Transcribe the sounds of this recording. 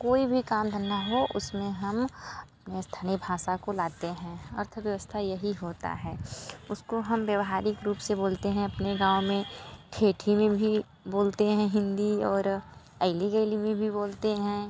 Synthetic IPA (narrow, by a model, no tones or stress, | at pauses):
koːibʱikaːmd̪ʱənːaɦoʔʊsmẽɦɐmɐpnest̪ʰənebʱaːʃakolaːt̪eɦɛ̃ɐ̰ɾt̪ʰʋjɐʋəst̪ʰajɐɦiɦoːt̪a̰ɦɛːʊskoɦɐmʋjɐʋɦaːɾɪkɾuːpseboːlt̪eɦɛ̃ɐpneɡãːʊmẽʈʰeːʈʰimẽbʱi | boːlt̪eɦɛ̃ɦɪ̃nd̪iɔːɾ | ɐɪliɡəɪlimẽbʱiboːlt̪eɦɛ̃ː